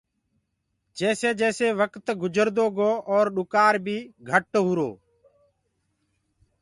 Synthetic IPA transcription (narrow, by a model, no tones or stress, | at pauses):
d͡ʒeːseːd͡ʒɛːseːʋəkt̪ɡʊd͡ʒəɾd̪oːɡoːʔɔːɾɗʊkaːɾbʱiːɡʱəʈːɦuːɾo̰ː